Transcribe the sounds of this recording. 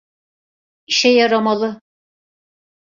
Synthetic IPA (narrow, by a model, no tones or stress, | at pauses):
iʃɛjɑɾɑmɑlˠɯ